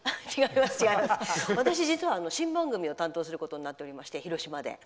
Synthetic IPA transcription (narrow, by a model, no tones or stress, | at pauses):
at͡ɕiɡaimast͡ɕiɡaimaasβat̪aɕ̬id͡ʑit͡sɨβaːno̞ɕĩmbãŋɡɯ̟mʲio̞t̪ãnt̪oːsɨɾɯ̟ko̞t̪o̞ɲinat̪ːe̞oɾʲimaɕi̥t̪e̞çiɾo̞ɕimad̪e̞̰